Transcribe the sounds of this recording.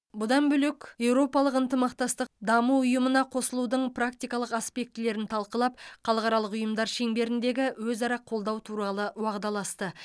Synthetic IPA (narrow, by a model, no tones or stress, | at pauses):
bʊd̪ɑnbʏlekje̞wɾo̞pɑlˠəqənt̪əmɑq̚t̪ɑst̪əq̚d̪ɑmuʊjəmənɑqʰo̞səlˠud̪əɴpʰrakt̪ijkɑlˠəqaspe̞k̚t̪ɪle̞ɾɪnt̪ʰɑlˠqəlˠɑp̚χɑlˠəqɑɾɑlˠəqʊjəmd̪ɑɾʃe̞ŋbe̞ɾɪnd̪e̞ɡʲɪwɵzɑɾɑqʰo̞lˠd̪ɑwt̪ʰuɾɑlˠəwɑʁd̪ɑlˠɑst̪ə